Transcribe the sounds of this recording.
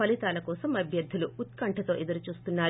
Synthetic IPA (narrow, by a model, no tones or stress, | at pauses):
pɐlit̪aːlɐkɔːsɐmɐbʱjɐɾd̪ʱːuluːt̪kɐɳʈʰɐt̪o̞ːʔed̪ɐɾut͡ʃuːst̪unːaː